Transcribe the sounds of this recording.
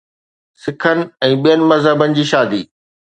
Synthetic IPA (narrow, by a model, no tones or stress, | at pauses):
sɪkʰənɪ̆ɛ̃ːɓijənɪ̆mɐzɦəbənɪ̆d͡ʑiːʃaːd̪ḭː